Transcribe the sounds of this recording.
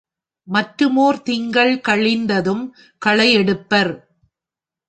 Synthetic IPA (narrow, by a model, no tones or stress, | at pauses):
mɐʈɾɯmoːɾt̪ɪŋɡɐɭkɐɭɪnd̪ɐðɯm | kɐɭɐɪjɛɽɯpːɐɾ